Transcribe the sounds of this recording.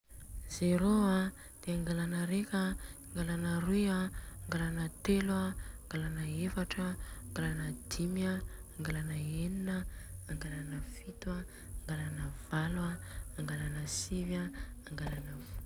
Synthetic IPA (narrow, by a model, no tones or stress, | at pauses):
z̥eɾoa | d̪̥eaŋɡalanəɾekʲaːŋɡalanərujaːŋɡalanət̪elaːŋɡalanəefaʈ͡ʂaːŋɡalanəd̪imiaːŋɡalanəeninəːŋɡalanəfit̪waː | ŋɡalanəv̥alwaːŋɡalanəsivaːŋɡalanəvu